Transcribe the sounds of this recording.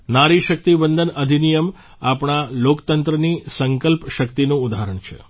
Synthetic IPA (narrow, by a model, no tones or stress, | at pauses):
naɾiʃək̚t̪ibənd̪ʱənəd̪ʱinijəm | apɳ̃alokt̪ənt̪ɾənisəŋkəlpʃəkt̪inũud̪aɾəɳt͡ʃʰḛ